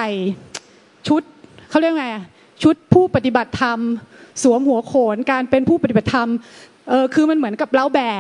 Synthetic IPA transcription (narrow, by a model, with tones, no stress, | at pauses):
a˨˩j | t͡ɕʰu˦˥t̪̚ʰa˥˩ɾək̚ma˧˩ | t͡ɕʰu˦˥t̪̚pʰuː˥˩pa˨˩t̪i˨˩ba˨˩t̪ʰːa˧msu˩˦əmhu˩˦ɐkʰoː˩˦nkaː˧npe˧npʰuː˥˩pa˧t̪i˨ba˨˩t̪ʰa˧m | ʔɤː˧kʰɯː˧ma˧nmɯ˩˦ənka˨˩p̚la˦˥wbɛː˨˩